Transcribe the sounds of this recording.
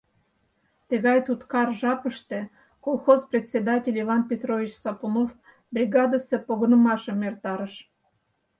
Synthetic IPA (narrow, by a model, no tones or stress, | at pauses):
t̪ĕɣɑjt̪ut̪kɑrʒɑpəʃt̪ĕ | kolˠxozprʲet̪ʲt͡sʲːed̪ɑtʲelʲivɑnpʲet̪rovʲit͡ɕsɑpunof | brʲiɣɑd̪əsepoɣənə̆mɑʃəmert̪ɑɾəʃ